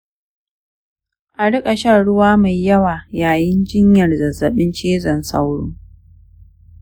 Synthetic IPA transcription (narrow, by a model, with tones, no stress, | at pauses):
ʔa˨ɽɪ˦kʼa˨ʃa˦˨ɽʊ˦waː˦ma˨jːɐ˦waː˨jaː˨jɪ˦nd͡ʒɪ˦ɲjɐ˨rzɐ˨zːɐ˨ɓɪ˦nt͡ʃeː˦zɐ˨nsa̰˦wɽʊː˦